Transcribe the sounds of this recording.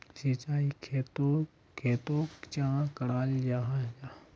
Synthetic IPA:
sit͡ʃaːikʰet̪o | kʰeːt̪okt͡ʃãkɐɽaːld͡ʒaɦd͡ʒa

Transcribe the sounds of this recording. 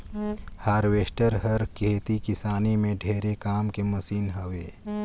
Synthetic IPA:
haːɾʋeːʃʈəɾɦəɾkʰeːt̪ikɪsaːnimẽɖʱeːɾekaːmkeməsiːnɦəʋeː

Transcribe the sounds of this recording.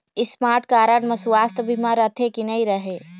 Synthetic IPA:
ɪsmaːɾʈkaːɾənmɐsuaːst̪əbʱimãɾɐt̪ʰekinɐiɾɐɦeː

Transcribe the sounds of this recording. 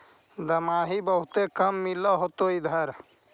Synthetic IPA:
d̪əmaːɦibəɦut̪ekəmːiləɦot̪oid̪ʱəɾ

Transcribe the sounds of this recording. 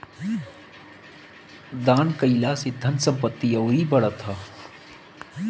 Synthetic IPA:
d̪aːnkəilaːsed̪ʱɐnsɐ̃mpət̪ːiɐːɾibɐɽat̪ʰaː

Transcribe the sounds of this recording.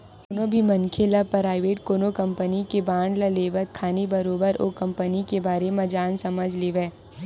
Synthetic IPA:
sonobʱimɐnkʰelapɾaːɪʋeːʈ̚koːnokɐ̃mpənikebaːɳɖlɐleːʋət̪̚kʰaːnibɐɾoːbəɾokɐ̃mpənikebaːɾemɐ̃d͡ʒaːnsɐməd͡ʒʱleːʋeː

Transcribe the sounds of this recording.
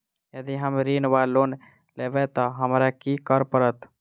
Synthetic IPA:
jəd̪iɦəmɾinbalon | lebɛt̪ɔɦəmɾakikəɾpəɾət̪

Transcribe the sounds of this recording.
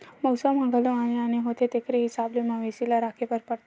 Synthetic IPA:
məwsəmãɡəloaneaneɦot̪ʰet̪ekɾeɦisablemãʋesilaɾakʰepəɾpəɾt̪

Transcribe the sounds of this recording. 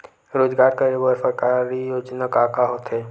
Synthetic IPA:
ɾoːd͡ʒɡaːɾkəɾibəɾfəɾkaɾijoːd͡ʒnakakaɦoːt̪ɦeː

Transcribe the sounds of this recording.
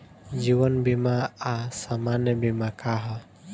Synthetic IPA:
d͡ʒiwənbimaasamanjəbimakaɦə

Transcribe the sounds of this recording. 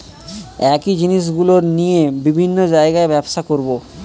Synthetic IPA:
ɛkid͡ʑiniʃ̬ɡuloɾnijebibʱinːod͡ʑaeɡaebɛbʃakoɾbo

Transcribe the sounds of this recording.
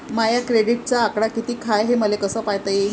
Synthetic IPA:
majakɾeɽiʈ̚t͡ɕaːkɽakit̪iːkʰajɦeməlekəsəpajt̪aje

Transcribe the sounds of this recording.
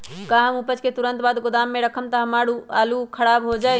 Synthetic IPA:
kaɦəmupət͡ʃket̪uɾənt̪bad̪ɡod̪amːeɾəkʰəmt̪əɦəmaɽualukʰəɽabɦod͡ʒaj

